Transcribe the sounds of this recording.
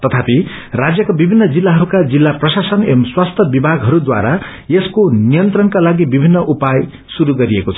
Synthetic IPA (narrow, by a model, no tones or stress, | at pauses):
t̪ʌt̪ʰapi | rad͡zjʌkabibʱinːʌd͡zilːaɦʌɾukad͡zilːaprʌsasʌnemswast̪ʰʌbibʱaɡɦʌɾud̪wa̰ɾa | jeskonijʌnt̪rʌnkalaɡibibʱinːʌʔupaj | suɾuɡʌɾiekot͡sʰʌ̥